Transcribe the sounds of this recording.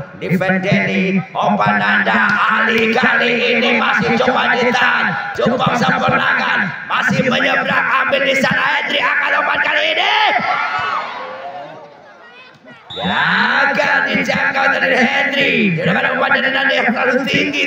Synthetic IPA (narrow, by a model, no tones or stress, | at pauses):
dipɛndɛniɔpat̪nandaalikaliʔːnimasɪht͡ʃobadit̪an | t͡ʃupaksəpɔna̰kan | masɪhməɲəbɾakambɪldisanahɛndɾiakanopat̪̚kaliːni | jaaɡadid͡ʒakat̪aninɦɛndɾid͡ʒadakanaopadadinanijaŋlalʊt̪iŋɡi